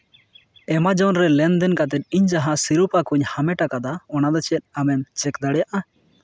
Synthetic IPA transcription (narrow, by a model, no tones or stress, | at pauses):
ɛmad͡ʒɔnɾɛlɛnd̪ɛnkat̪̬ɛt̪̚iɲd͡ʒaɦasiɾupakuɲhamɛʈakad̪aɔnad̪ɔt͡ʃɛt̪̚amɛnt͡ʃɛkd̪aɽɛjaʔa